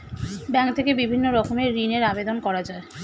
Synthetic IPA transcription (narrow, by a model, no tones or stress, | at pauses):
bɛŋt̪ʰekebibʱinːoɾɔkʰomeɾineɾabed̪onkɔɾad͡ʑae